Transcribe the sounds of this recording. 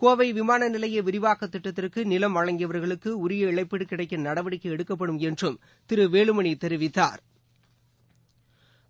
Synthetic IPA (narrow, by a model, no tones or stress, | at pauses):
koːʋɐɪʋɪmaːnɐnɪlɐjɐʋɪɾɪʋaːkːɐt̪ːɪʈːɐt̪ːɪrkɯnɪlɐmʋɐɻɐŋɡɪjɐʋɐɾɣɐɭɯkːɯʊɾɪjɐɪɭɐɪpːɪɽɯkːɪɽɐɪkːɯnnɐɽɐʋɪɽɪkːɐɛɽɯkːɐp̬ːɐɽɯmɛndrɯm | t̪ɪɾɯʋeːɭɯmɐɳit̪ɛɾɪʋɪt̪ːa̰ːɾ